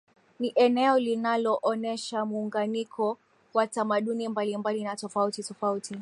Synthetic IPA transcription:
niʔɛnɛɔlinalɔʔɔnɛʃamuuŋɡanikʰɔ | watamaɗunimbalimbalinatɔfautitɔfauti

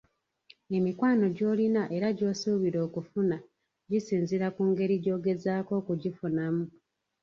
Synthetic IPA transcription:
e̞mikwaːno̞ɟo̞ːlinaʔe̞ɾaɟo̞ːsuβiɾo̞ːkufuna | ɟisiːnziɾakuːŋɡe̞ɾiɟo̞ːɡe̞zaːko̞ːkuɟifunamu

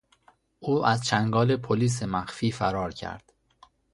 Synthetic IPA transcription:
ʔuːʔæzt͡ʃʰæŋɡɒːle̞pʰoliːs̬emæxfiːfæɾɒːɾcʰæ̰ɾd̪̥

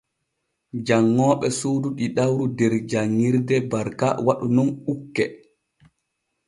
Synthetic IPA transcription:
d͡ʒaŋːɔːɓɛsuːduɗiɗawɾudɛɾd͡ʒaŋːiɾdɛbaɾka̰waɗunɔnɓukːɛ

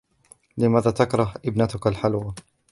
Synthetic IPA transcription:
lɪmaːðaːt̪akɾˤɑhʔɪbnat̪ʊkalħalwa

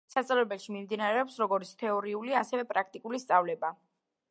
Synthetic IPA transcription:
sat̪sʼavlɛbɛlˠʃimimd̪inaɾɛɔpsɾɔɡɔɾit̪sʰt̪ʰɛɔɾiuliasɛvɛpʼɾak̚ʰt̪ʼikʼulist̪sʼavlɛba

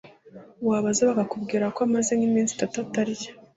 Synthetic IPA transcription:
waːβazeβaɡakubɡiːɾakoamazenimiːnsi̥tatuataɾijḁ

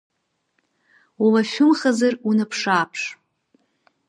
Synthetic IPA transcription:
walaʃᶣʊmχazarunapʰʂaːpʰʂ

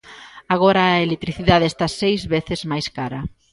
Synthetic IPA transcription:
aɣɔɾɐelek̚t̪ɾiθiðaðeest̪asejzβeθɪzmajskaɾɐ

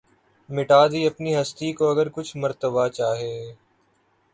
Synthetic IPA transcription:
mɪʈaːd̪iɐpniɦɐst̪ikoɐɡəɾkʊt͡ʃʰməɾt̪əbat͡ʃaːɦeː

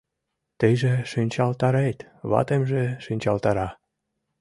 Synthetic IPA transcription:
t̪əjʒeʃynʲt͡ɕɑlt̪ɑɾet̪ | βɑ̰t̪emʒeʃynʲt͡ɕɑlt̪ɑɾɑ

